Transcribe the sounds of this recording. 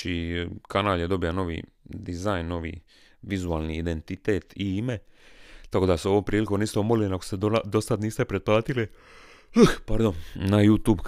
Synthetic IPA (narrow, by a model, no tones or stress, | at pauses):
ikanaːljed̪o̞bijano̞ʋḭː | d̪izajnːo̞ʋḭ | ʋizuaːlˠniːd̪ent̪it̪et̪iimet̪ako̞ːd̪aseo̞ʋo̞ːmpɾiːlikomniːst̪oomolilinakosed̪osad̪niːst̪epɾed̪̚plˠaːt̪ili | əxpaɾd̪onnajuːt̪uːb